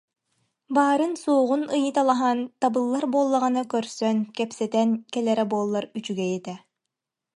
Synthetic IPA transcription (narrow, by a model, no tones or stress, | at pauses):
baːɾɯnsuːʁunɯjɯt̪alˠaɦant̪abɯlˠːaɾbuːlˠːaʁɯnɯkœɾsœnkɛpsɛt̪ɛnkɛlɛɾɛbuɔlˠːaɾyt͡ʃyɡɛjɛt̪ɛ